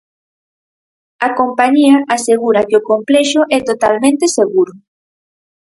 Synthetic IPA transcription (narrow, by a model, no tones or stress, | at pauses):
akompaɲiaʔaseɣuɾakeokomplɛʃoʔɛt̪ot̪almẽnt̪eseɣuɾʊ